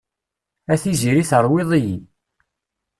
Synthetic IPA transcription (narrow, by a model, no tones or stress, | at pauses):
æθiziɾiθəɾˤwiðˤiji